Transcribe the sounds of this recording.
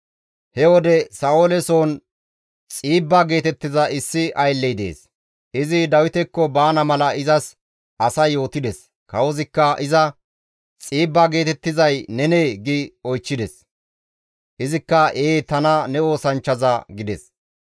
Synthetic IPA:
hɛwɔd̪ɛsɐolɛso̞ːn | t͡sʼiːbːaːɡe̞ːt̪ɛt̪ːɪzɐɪsːɪʔɐjlːɛjd̪ḛːs | ɪzɪd̪ɐwɪt̪ɛkːɔbaːnɐmɐlɐɪzɐs | ʔɐsɐjːo̞ːt̪ɪd̪ɛs | kɐwɔzɪkːɐʔɪzɐ | t͡sʼiːbːaːɡe̞ːt̪ɛt̪ːɪzɐjnɛneːɡɪɔjt͡ʃːɪd̪ɛs | ʔɪzɪkːɐʔeːt̪ɐnɐnɛo̞ːsɐnt͡ʃːɐzɐɡɪd̪ɛs

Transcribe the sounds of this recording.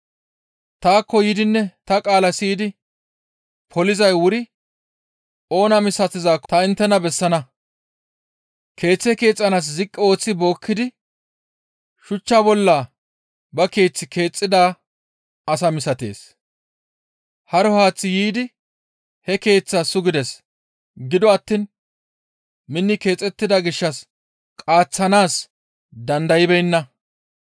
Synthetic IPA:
t̪aːkːɔjɪd̪ɪnːɛt̪ɐkʼaːlɐsiːd̪ɪ | pʰɔlɪzɐjwʊɾɪ | o̞ːnɐmɪsɐt̪ɪzaːkːt̪ɐɪnt̪ːɛnɐbɛsːɐnɐ | kʰe̞ːt͡sːɛke̞ːt͡sʼːɐnas̬zɪkʼːɛo̞ːt͡sːɪbo̞ːkːɪd̪ɪ | ʃʊt͡ʃːabɔlːa | bɐke̞ːt͡sːɪkʰe̞ːt͡sʼːɪd̪aː | ɐsɐmɪsɐt̪e̞̰ːs | hɐɾɔhaːt͡sːɪjiːd̪ɪ | hɛke̞ːt͡sːasʊɡɪd̪ɛs | ɡɪd̪ɔɐt̪ːiːn | mɪnːɪke̞ːt͡sʼɛt̪ːɪd̪ɐɡɪʃːɐs | kʼaːt͡sːɐnaːs | d̪ɐnd̪ɐjɪbɛjnːɐ

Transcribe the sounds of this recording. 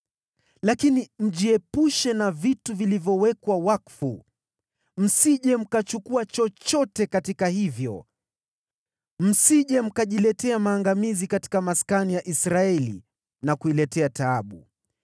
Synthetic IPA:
lakinim̩ʄiɛpuʃɛnavituvilivjɔwɛkwawakfṵ | m̩siʄɛm̩kat͡ʃukuat͡ʃɔt͡ʃɔtɛkatikahivjɔ̰ | m̩siʄɛm̩kaʄilɛtɛamaːŋɡamizikati̥kamaskanijaʔisɾaɛlḭ | nakuilɛtɛataaɓu

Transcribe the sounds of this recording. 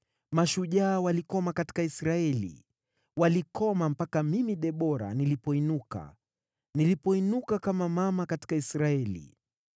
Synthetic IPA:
maʃuʄaːwalikɔmakati̥kaisɾaɛlḭ | walikɔmam̩pakamimiɗɛɓɔɾa̰nilipɔinuka̰ | nilipɔinukakamamamakati̥kaisɾaɛlḭ

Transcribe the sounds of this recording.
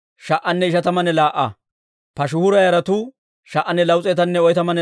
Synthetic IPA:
ʃɐʔːɐnːɛɪʃɐt̪ɐmɐnɛlaːʔɐ | pɐʃʊhʊɾɐjɐɾɐt̪u | ʃɐʔːɐnːɛlɐwʊt͡sʼeːt̪ɐnːɛɔjt̪ɐmɐnɛ

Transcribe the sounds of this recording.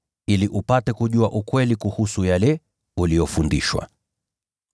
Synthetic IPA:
iliʔupatɛkuʄuaʔukwɛlikuhusujalɛ | ulijɔfundiʃwa̰

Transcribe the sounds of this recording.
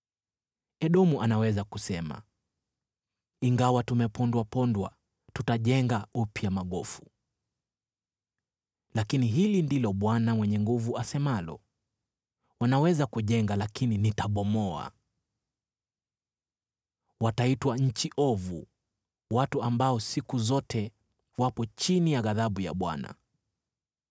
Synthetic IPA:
ɛɗɔmuʔanawɛzakusɛma̰ | iŋɡawatumɛpɔndwapɔndwa̰ | tutaʄɛŋɡaupjamaɠɔfu̥ | lakiniɦilindilɔɓwanawɛɲɛŋɡuvuasɛmalɔ̰ | wanawɛzakuʄɛŋɡalakininitaɓɔmɔa̰ | wataitwaɲ̩t͡ʃiʔɔvṵ | watuambaɔsikuzɔtɛ | wapɔt͡ʃinijaɣaðaɓuja̰ɓwa̰na̰

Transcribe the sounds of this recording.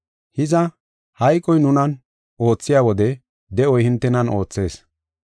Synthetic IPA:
hɪzɐ | hɐjkʼːɔjnʊnɐn | o̞ːt͡sːɪjaːwɔd̪ɛ | d̪ɛɔjhɪnt̪ːɛnɐno̞ːt͡sːe̞ːs

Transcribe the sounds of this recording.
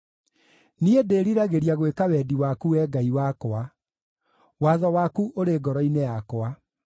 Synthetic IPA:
niedeːɾiɾaɣeɾiaɣwekawɛdiwakuwɛːɡaiwakɔa | waːðɔwaːkuʔoɾeɡɔɾɔinejakɔa

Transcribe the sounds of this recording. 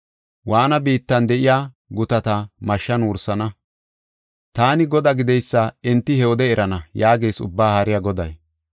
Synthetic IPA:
waːnɐbiːt̪ːɐnd̪ɛʔɪjaː | ɡʊt̪ɐt̪ɐmɐʃːɐnʊːɾsɐnɐ | t̪aːnɪɡɔd̪ɐɡɪd̪ɛjsːɐɛnt̪ːɪhɛɔd̪ɛɛɾɐnɐjaːɡe̞ːsʊ̰bːaːhɐɾɪjaɡɔd̪ɐ̰j

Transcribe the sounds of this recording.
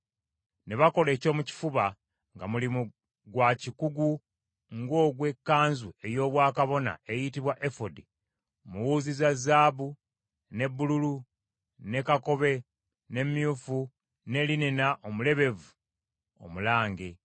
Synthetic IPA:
neβako̞le̞ːco̞ːmuci̥fuβa | ŋɡamulimu | ɡwacikuɡu | ŋɡo̞ːɡwe̞kːaːnzue̞jo̞ːβwaːkaβo̞na̰e̞jitiβwaʔefodi | muwuːzizazaːβu | ne̞bːululu | ne̞kako̞βe̞ | ne̞mjuːfu | ne̞lininaʔomule̞βe̞vu | o̞̰mulaːŋɡe

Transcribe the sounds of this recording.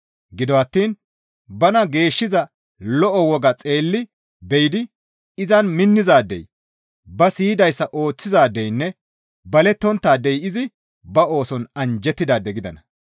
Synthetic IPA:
ɡɪd̪ɔɐt̪ːiːn | bɐnɐɡe̞ːʃːɪzɐ | lɔʔɔwɔɡɐt͡sʼe̞ːlːɪ | bɛjɪd̪ɪ | ɪzɐnmɪnːɪzaːd̪ɛ̰j | bɐsiːd̪ɐjsːɐʔo̞ːt͡sːɪzaːd̪ɛjnːɛ | bɐlɛt̪ːɔnt̪ːaːd̪ɛjɪzɪ | bɐo̞ːsɔnɐnd͡ʒɛt̪ːɪd̪aːd̪ɛɡɪd̪ɐnɐ

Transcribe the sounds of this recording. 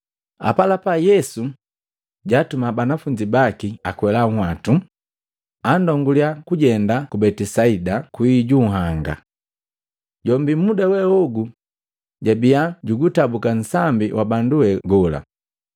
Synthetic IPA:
a̰palapajɛsu | ɟatumabanafuɲd͡ʒibakiakwɛlaŋ̩hwatu | andɔŋɡuliakuɟɛndakubɛtisaidakwiɟuɦaŋɡa̰ | ɟɔmbimudawɛɔɡu | ɟabiaɟuɡutabukansambiwʔabanduwɛɡɔla̰

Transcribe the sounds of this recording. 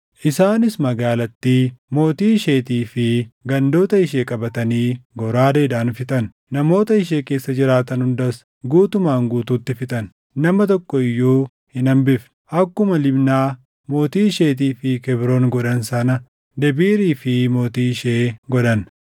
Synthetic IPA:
ʔɪsaːnɪsmɐɡaːlɐt̪ːimo̞ːt̪iːʃe̞ːt̪iːfɪɡɐnd̪o̞ːt̪ɐɪʃe̞ːkʼɐbɐt̪ɐniːɡɔɾaːd̪eːd̪aːnfɪt̪ʼɐn | nɐmo̞ːt̪ɐɪʃ̬e̞ːke̞ːsːɐd͡ʒɪɾaːt̪ɐnhʊnd̪ɐs | ɡuːt̪ʊmaːŋɡuːt̪uːt̪ːɪfɪt̪ʼɐn | nɐmɐt̪ɔkːɔɪjːuː | hɪnɐmbɪf | ʔɐkːʊmɐlɪbnaː | mo̞ːt̪iːɪʃeːt̪̬iːfɪkɛbɾo̞ːnɡɔᶑɐnsɐnɐ | d̪ɛbiːɾiːfɪmo̞ːt̪iːɪʃeːɡɔᶑɐn

